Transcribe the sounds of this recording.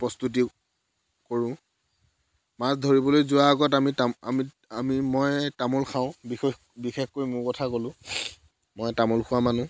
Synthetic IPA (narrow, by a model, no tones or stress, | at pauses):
pɹɔstut̬i | koɹʊ̃ | masdʱoɹibɔlojzʊwaːɡɔtamitaa̰mi | amimɔjtamulxʰaʊ̃bix | bixexkoimʊkɔtʰakolʊ̃ | mɔjtamɔlxʰʊwamanʊ̃